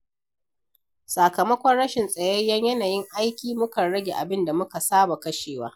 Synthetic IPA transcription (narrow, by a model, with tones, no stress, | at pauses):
sa˨kɐ˨mɐ˦kʷɔ˦nɽɐ˦ʃɪ˨nsʼɐ˨je˦ja˦ɲjɐ˦naː˨jɪ˦ŋʔa˦jkʲiː˨mʊ˦kɐ˨nɽɐ˦ɡʲe˨ʔa̰˨bɪ˦nda˨mʊ˦ka˨saː˦ba˨kɐ˦ʃeː˨waː˦